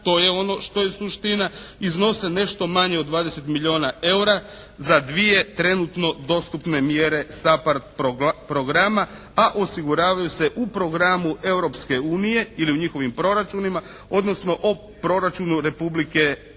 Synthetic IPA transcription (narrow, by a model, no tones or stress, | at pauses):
t̪o̞ːje̞o̞no̞ʃt̪o̞jesuʃt̪inaizno̞se̞ne̞ʃt̪o̞maɲeod̪ʋaːd̪ese̞t̪milʎʲio̞ːnae̞uɾazad̪ʋije̞t̪ɾe̞nut̪no̞d̪o̞st̪upne̞mje̞ɾe̞sapaɾt̪̚popɾo̞ɡɾama | aʔo̞siɡuɾaːʋajuse̞ʔupɾo̞ɡɾamue̞wɾo̞pske̞uːnije̞iliuɲixo̞ʋimpɾo̞ɾat͡ʃunima | o̞d̪no̞sno̞ʔo | pɾo̞ɾat͡ʃunuɾe̞publike̞